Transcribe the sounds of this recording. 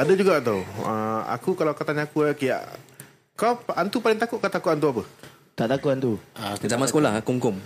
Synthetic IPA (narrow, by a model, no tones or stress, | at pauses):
adəd͡ʒuɡat̪owəa̰kukalawakat̪aɲaːkuakija̰ʔ | kapant̪upalɪŋt̪akʊʔkat̪akʊʔant̪uapə | t̪aʔt̪akuʊʔant̪uazamasə̥kolahɦakumkʊm